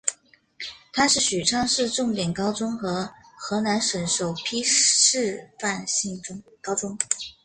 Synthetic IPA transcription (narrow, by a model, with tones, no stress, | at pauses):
t̪ʰa˥ʂɻ̩˥˩ɕy˨˩ʈ͡ʂʰɑ˥ŋʂɻ̩˥˧ʈ͡ʂʊ˥˩ŋt̪jɛ˨˩nkɑ˥ʊt͡sʊ˥ŋxɤ˧˥xɤ˧˥na˧˥nʂə˨˩nʂo˨˩ʊpʰi˥ʂɻ̩˥˧fa˥˧nɕi˥˩ŋʊ˥ŋkɑ˥ʊʈ͡ʂʊ˥ŋ